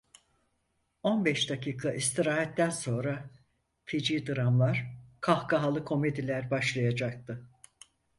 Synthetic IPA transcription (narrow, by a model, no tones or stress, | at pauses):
o̞nbɛʃd̪akʰiːkʰaʔist̪ʰiɾaːɦɛt̪ːænso̞nɾa | fid͡ʒiːd̪ɯɾamlˠaɾ̥kʰahkʰaɦalˠɯkʰo̞me̞d̪ilʲæɾbaʃlˠajad͡ʒak̚t̪ʰɯ